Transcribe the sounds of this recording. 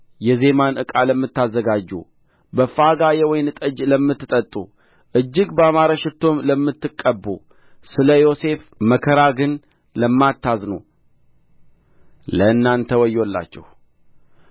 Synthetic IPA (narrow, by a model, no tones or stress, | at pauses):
jɛze̞manɨkʼaləmːɨt̪ːazːəɡad͡ʒːṵ | bəfaɡajewɔjnɨt̪ʼəd͡ʒləmːɨt̪ːɨt̪ʼət̪ʼṵ | ʔɨd͡ʒːɪɡbəamaɾəʃɪt̪ːo̞mləmːɨt̪ːɨkʼːəbːṵ | sɨləjo̞se̞fməkʰəɾaɡɨn | ləmːat̪ːaznu | ləɨnːant̪ʰəwɔjːolːa̰t͡ʃːɛ̰h